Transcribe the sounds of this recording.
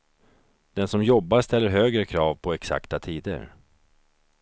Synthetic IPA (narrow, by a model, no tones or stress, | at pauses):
d̪̥ɛnsɔmjɔbːast̪ɛlːəɾɦøːɡɾəkʰɾɑːvpʰɔɛksa̰kt̪at̪ʰiːd̪ə̰ɾ